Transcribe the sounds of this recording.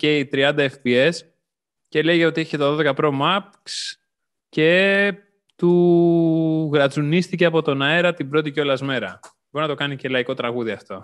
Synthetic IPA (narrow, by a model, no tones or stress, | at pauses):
ce̞it̪ɾiɐnd̪ɐefpies | ce̞le̞iʝeo̞t̪ieçicet̪oðo̞ðe̞kɐpɾo̞mɐpks | ce̞ | t̪u | ɣɾɐt͡sunist̪ice̞ɐpo̞t̪o̞nɐe̞ɾɐt̪ibɾo̞t̪̬iceo̞lɐzme̞ɾɐ | boɾnɐt̪o̞kɐnice̞lɐiko̞t̪ɾɐɣuðiɐft̪o̞